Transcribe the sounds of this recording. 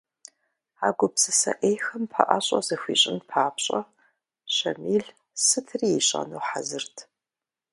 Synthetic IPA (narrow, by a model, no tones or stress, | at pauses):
aːɡʷʊpsɨsɐ̰ʔejxɐmpʰaʔaɕʼɐzɨxʷḭːɕʼɪnpʰaːpɕʼɐ | ɕɐ̰miːɮ | sɨtʰriːeɕʼɐ̰nowħazɨrtʰ